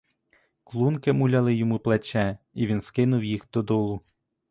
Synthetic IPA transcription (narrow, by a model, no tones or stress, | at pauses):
klˠunkɪmulʲɐlˠɪjɔmuplˠet͡ʃɛ | iʋʲinskɪnʊwjixd̪ɔd̪ɔlˠʊ